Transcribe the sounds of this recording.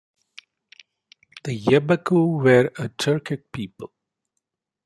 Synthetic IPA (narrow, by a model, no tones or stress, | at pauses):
d̪̥əjɛbəkʰuwɛɹətʰɜɹkɪk̚pʰiːpəlˠ